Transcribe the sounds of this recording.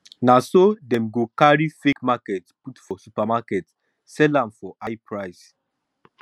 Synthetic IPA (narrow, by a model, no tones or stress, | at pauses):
nasodɛ̃mɡokaɹifekmakɛtputfɔsupamakɛt | sɛlãmfɔʔajpʰɹaɪs